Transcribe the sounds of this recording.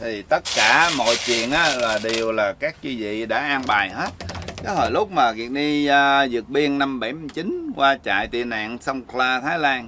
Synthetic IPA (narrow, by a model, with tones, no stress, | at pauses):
t̪ʰi˨˩t̪ə˦˥t̚kaː˧˩mo̰˧˨jt͡ɕwḭ˧˨ənʔaː˨˦laː˨˩ɗi˨˩əwlaː˨˩kaː˦˥k̚t͡ɕi˧zḭ˧˨ɗa̰ː˧˥ʔaː˧ŋɓaː˨˩jɦe˦˥t̚kɔ˨˦ho˧˩jlʊ˦˥k͡p̚maː˨˩ɣi˨˩ək̚ɗi˧zɨ˨˩ək̚ɓi˧ənna˧mɓa˧˩jmi˧t͡ɕi˨˦nkwaː˧t͡ɕa̰ː˧˨jt̪ḭ˧˨əna̰ː˧˨nsə˧wŋ͡mklaː˧t̪ʰaː˨˦jlaː˧n